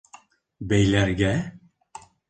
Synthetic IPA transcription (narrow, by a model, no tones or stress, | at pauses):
bejlʲæɾɡɛ